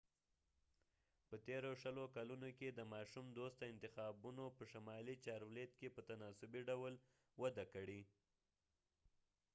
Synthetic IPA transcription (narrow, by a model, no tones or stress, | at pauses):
pət̪eɾoʃəlokalunoked̪əmɑʃumd̪ost̪aɪnt̪ɪxɑbunopəʃamɑlit͡ʃɑɾwlet̪kepət̪anɑsʊbiɖawl | wad̪akəɽi